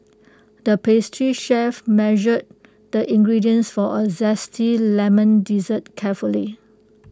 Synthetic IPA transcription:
dəpestʰɹiʃɛfmɛʒəd̚ | dəʔĩŋɡɹidiə̃nsfɔʔəzɛstʰilɛmə̃ndizət̚kʰɛfuli

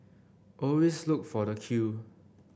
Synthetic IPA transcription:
ʔɔlweslʊk̚fɔdəkʰju

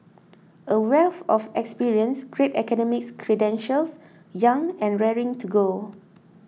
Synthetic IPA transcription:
əwɛlθɔfɛkspiɹiə̃nsɡɹetɛkɔnɔmɪkskʰɹɛdɛ̃nʃəls | jãŋɛ̃nɹɛɹĩŋtʰuɡo

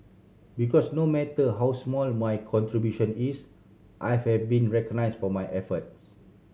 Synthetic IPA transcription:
bikɔsnomɛtəɦawsmɔlmajkʰɔ̃ntɹibjuʃə̃nis | ʔajfhɛvbĩnɹɛkɔɡnajsfɔmajʔɛfət̚s

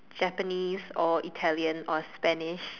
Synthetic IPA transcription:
d͡ʒɛpəniːzɔitʰɛliə̃nɔspɛnɪʃ

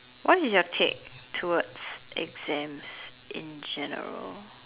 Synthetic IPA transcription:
wɔt̚isjɔtʰḛk̚tʰuwədsʔɛ̰ɡz̥ɛ̃ms | ʔɪ̰̃nd͡ʒɛnə̰ɹə̰l

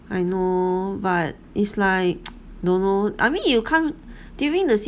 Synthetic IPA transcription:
ajnobat̚itslaɪk̚ | dõnːoʔa̰jmĩnjukʰãm | d̥juɹĩŋdəs

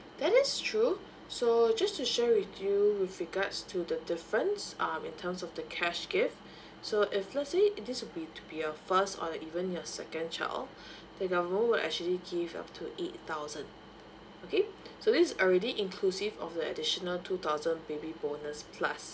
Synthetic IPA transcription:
d̥ɛtɪstʰɹu | sod͡ʒastuʃɛwɪθjuwɪθɹiɡatstʰudədɪfɹə̃nsʔãmĩntʰəmsɔfdəkʰɛʃɡ̥ɪft | soʔɪflɛtsedɪswɪbitʰu̥biəfəstɔ̰dəʔivə̃nəsɛkə̃nt͡ʃa̰ɪl | d̥əɡavəmə̃nwɪlʔɛ̰k̚t͡ʃuəliɡiva̰p̚tʰuʔet̚taʊzə̃n | okʰesodissɔlɹɛdiʔĩnkʰlusivɔ̰fdəə̰diʃənəltʰut̪aʊzə̃nbebibonəspʰla̰s

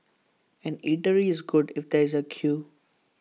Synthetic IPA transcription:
ɛ̃niʈəɾiɪzɡʊɖɪfd̪eɾɪzəkʰjuː

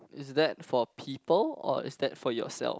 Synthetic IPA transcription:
ɪsdɛt̚fɔpʰipəlɔ̰ɪ̰sdɛtfɔjɔ̰sɛ̰lˠf

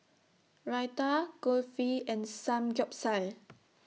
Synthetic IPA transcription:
ɹajtaɡɔlfiɛ̃nsãmd͡ʒɔp̚sal

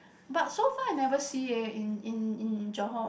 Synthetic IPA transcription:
batsofaanɛvəsiəĩnĩnĩnd͡ʒɔɦɔ̃

